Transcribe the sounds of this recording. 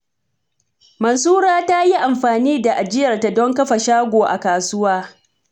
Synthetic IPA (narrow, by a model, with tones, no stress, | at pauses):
mɐ˨nsuː˦ɾaː˦ta˦ji˦ʔa˨mɸaː˨niː˦da˨ʔa˨d͡ʒɪ˦jɐ˨rta˨dɔ˦ŋkɐ˦ɸa˨ʃaː˦ɡʷoː˨ʔa̰˨kaː˨sʊ˦waː˦